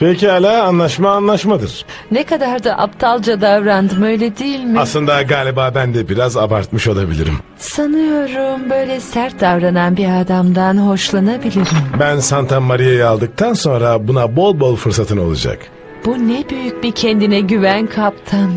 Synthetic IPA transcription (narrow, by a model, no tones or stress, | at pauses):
pʰecialʲaːnlˠaʃmaːnlˠaʃmad̪ɯɾ̥ | nekad̪aɾd̪aʔapt̪ʰalˠd͡ʒad̪avɾand̪ɯmøjlʲɛd̪ijilʲmiaslˠɯnd̪aɡaːlʲibaːbænd̪ɛbiɾazabaɾt̪mɯʃo̞lˠabḭlʲḭɾḭm | sanɯjo̞ɾumbø̞jlʲɛsæɾt̪̚d̪avɾananbiad̪amd̪anɦo̞ʃlˠanabilʲiɾimbænsant̪ʰanmaɾijajalˠd̪ɯk̚t̪ʰanso̞nɾabunabo̞lˠbo̞lˠfɯɾsat̪ʰɯnɯo̞lˠṵd͡ʒa̰k | b̥unɛbyjyc̚bicʰɛnd̪inɛɟyvænkʰap̚t̪ʰɯn